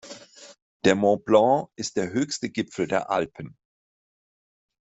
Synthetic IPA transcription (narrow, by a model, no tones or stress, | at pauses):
d̥ɛmɔ̃blɑ̃ʔɪst̚d̥eːɐɦøːçstəɡɪpp͡fl̩deːɐʔa̰lpʰən̩